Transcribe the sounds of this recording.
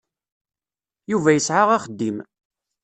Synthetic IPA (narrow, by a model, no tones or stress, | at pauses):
juvæjəsʕaʁaχəd̪ːim